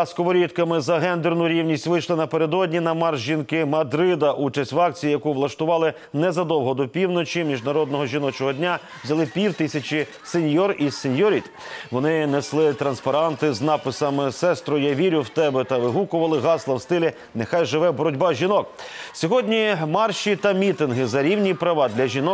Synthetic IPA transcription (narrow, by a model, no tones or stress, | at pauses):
skɔʋɔɾʲit̪kɐmɪzɐɦɛnd̪ernʊɾʲiwnʲisʲtʲʋɪjʃlˠɪnɐpeɾed̪ɔdʲnʲinɐmɑrʒʒinkɪmɐd̪ɾɪd̪ɐʔut͡ʃɐsʲtʲʋɑk̚t͡sʲijijɐkuʋlˠɐʃt̪ʊʋɑlˠɪ | nɛzɐd̪ɔwɦɔd̪ɔpʲiwnɔt͡ʃʲimʲiʒnɐɾɔd̪nɔɦɔʒʲinɔt͡ʃɔɦɔdʲnʲa | ʋzʲɐlˠɪpʲiwt̪ɪsʲɐt͡ʃi | senʲjɔrisenʲjɔɾʲit̪ʋɔnɪneslˠɪt̪ɾɐnspɐɾɑnt̪ɪznɑpɪsɐmɪsɛst̪ɾɔjɐʋʲiɾʲʊwt̪ɛbɛt̪ɐʋɪɦukʊʋɐlˠɪɦɑslˠɐwst̪ɪlʲi | nexɑjʒɪʋɛbɔɾɔdʲbɑʒʲinɔksʲɔɦɔdʲnʲimɑrʃit̪ɐmʲit̪ɪnɦɪzɐɾʲiwnʲipɾɐʋɑd̪lʲɐʒʲinɔ